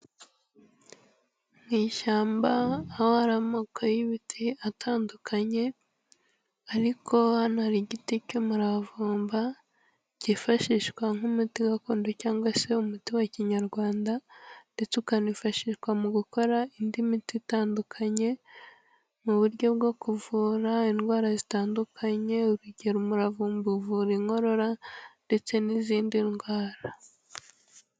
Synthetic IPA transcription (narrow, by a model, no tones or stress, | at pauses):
mŋiːʃaːmbaːhohaɾamokʰojiβitʰiatʰaːndukʰaɲe̞ | aɾikʰo̞anaɾiɟiticomuɾavuːmba | ɟ̥ifaʃiʃkwaŋhumutiɡakuːndocaːŋɡwase̞umutiwaciɲaɾɡwaːndande̞t͡sukanifaʃiːʃkwamuɡuko̞ɾaindimititaːndukʰaɲe̞ | muβuɾɟo̞b̚ɡo̞kuvuːɾainɡwaːɾazitaːndukʰaɲe̞uɾuɟe̞ɾumuɾavuːmbuvuɾiŋo̞ɾo̞ɾande̞t͡se̞niziːndinɡwaːɾa